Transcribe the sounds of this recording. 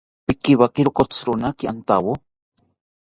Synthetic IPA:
pɪkiβakiɾokot͡sɾʊnakiant̪awo

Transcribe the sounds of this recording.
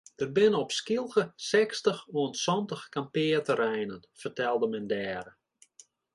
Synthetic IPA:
d̥ər̚bɪnəɔpskilˠɣəsɛkstəxuənsɔntəxkampɪːərtərɛjnənfərtɛlˠdəmɛndɛːɾə

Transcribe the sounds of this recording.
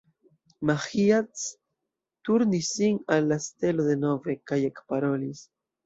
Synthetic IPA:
maχiat͡s | t̪uɾnisiŋalːast̪eloðenovekajekpaɾolis

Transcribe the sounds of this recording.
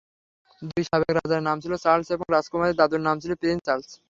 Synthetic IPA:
d̪ujʃabekɾa̰d͡ʑaɾnamt͡ɕʰilosalseboŋɾad͡ʑkomaɾed̪ad̪uɾnamt͡ɕʰilopeent͡ɕalsʰ

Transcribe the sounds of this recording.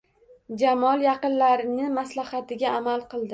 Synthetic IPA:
d͡ʒamɒlˠjɑqɨnlaɾɪnɪmaslahat̪ɪɡʲaːmalˠqɨlˠd̪ɪ

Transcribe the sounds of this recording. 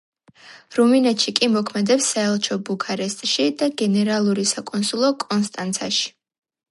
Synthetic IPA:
ɾuminɛt̪ʃikʼimɔkʰmɛd̪ɛpsːaɛlˠt͡ʃʰɔbukʰaɾɛst̪ʼʃid̪aɡɛnɛɾalˠuɾisakʼɔnsulˠɔkʼɔnst̪ʼant̪sʰaʃi̥

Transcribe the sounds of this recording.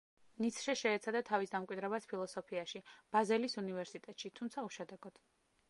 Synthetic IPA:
nit̪sʰʃɛʃɛːt̪sʰad̪at̪ʰavisd̪amkʼwid̪ɾɛbaspʰilˠɔsɔpʰiaʃib̥azɛlisunivɛɾsit̪ʼɛt̪ʼʃit̪ʰumt̪sʰauʃɛd̪ɛɡ̥ɔd̪̥

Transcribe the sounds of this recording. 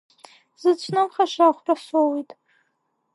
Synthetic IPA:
z̥ɨt͡ʃʷʰnɨmχaʃaχʷrasowijtʼ

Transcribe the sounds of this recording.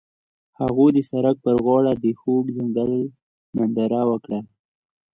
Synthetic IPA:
haɣud̪əsaɾak̚pəɾɣwɑɽad̪əxoɡzɪŋɡal | mand̪aɾawəkɽa

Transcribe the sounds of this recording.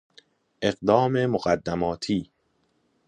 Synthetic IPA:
ʔe̞ɢd̪ɒːme̞moɢæd̪ːæmɒːt̪ʰiː

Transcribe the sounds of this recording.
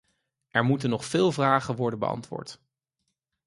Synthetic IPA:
ʔɛɹmutənɔχfɪːlˠvraːχənʋɔɹdənbə̰ɑ̰ntʋʊ̰ːɹt

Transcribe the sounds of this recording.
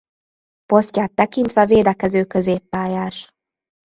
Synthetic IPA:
po̞scjaːt̪ːɛkint̪ʋɛveːd̪ɛkɛzøːkø̞zeːpːaːjaːʃ

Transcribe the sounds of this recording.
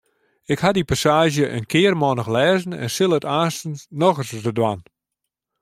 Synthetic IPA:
ɪkhadipasaːʒjəʔənkʰɪərmɔnəxlɛːzən̩ɛ̰nsɪlˠətaːstənnɔɣərsəsdədwan

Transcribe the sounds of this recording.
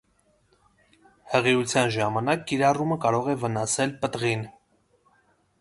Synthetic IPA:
həʁiut͡sʰjɑnʒɑmɑnɑkːiɾɑruməkɑɾɔʁɛvənɑsɛlpət̪ʁin

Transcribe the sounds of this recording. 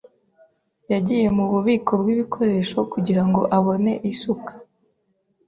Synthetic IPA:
jaɟije̞muβuβiːkʰo̞bɡwiβikʰo̞ɾe̞ːʃo̞kuɟiɾaŋɡo̞ʔaβo̞ne̞ʔisukʰḁ

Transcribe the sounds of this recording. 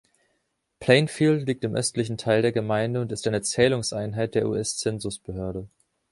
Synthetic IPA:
pʰl̥eɪnfiːltliːk̚tɪmʔœ̰stlɪçn̩tʰaɪldeːɐɡəmaɪndəʊntɪstaɪnət͡sɛːlʊŋsʔaɪnɦaɪt̚d̥eːɐʔṵʔɛst͡sɛnzʊsb̥əɦøːɐɾə

